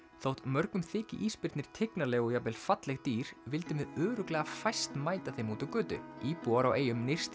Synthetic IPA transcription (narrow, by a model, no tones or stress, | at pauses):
θowht̪mœɾkʏmθɪːcɪ̰ʔiːspɪɾt̪nɪɾ̥t̪ʰɪknalɛːɣɔjapɛlfat̪lɛxt̪iːɾ̥vɪlt̪ɪmɪðœːɾʏklɛːɣafajst̪maːjt̪aθejmut̪ʏkʏːt̪ʏ̰iːpuaɾawʔeːjʏmnɪr̥st̪